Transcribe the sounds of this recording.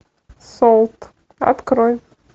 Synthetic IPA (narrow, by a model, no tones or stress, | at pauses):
solˠt̪ | a̰t̪kɾoj